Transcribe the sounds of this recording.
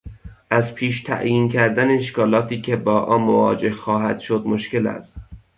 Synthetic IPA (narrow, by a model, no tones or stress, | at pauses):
ʔæzpʰiːʃt̪ʰæ̰ʔjiːncʰæɾd̪æneeʃkɒːlɒːt̪ʰiːcʲʰebɒːʔɒːnmovɒ̰ːd͡ʒe̞hxɒːɦæd̪̥ʃod̪moʃke̞læ̰st̪